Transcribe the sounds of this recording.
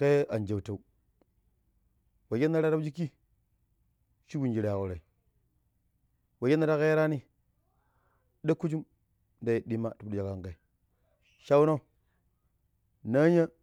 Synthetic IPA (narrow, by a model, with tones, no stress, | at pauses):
ke˦a˨nd͡ʒa˨wta˨u˨ | wa˨je˦na˦ɾa˦ɾa˦d͡ʒi˦ki˦ | ʃi˦wu˨nd͡ʒi˨ɾa˨ko˨ɾa˨i˨ | wa˨je˦na˦ɾa˦ke˦ɾa˦ni˦ | da˦ku˦d͡ʒu˦m | nda˦jdi˦ma˦tu˨bja˨ka˨ŋka˨i˨ | ʃa˦wno˦ | na˦ɲa˦